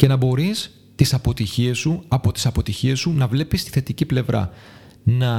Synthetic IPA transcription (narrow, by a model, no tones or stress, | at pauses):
ce̞nɐbo̞ɾis | t̪isɐpo̞t̪içiesuɐpo̞t̪i̥sɐpo̞t̪içie̞sunɐvle̞pist̪i̥θe̞t̪iciple̞vɾɐ̰ | nɐ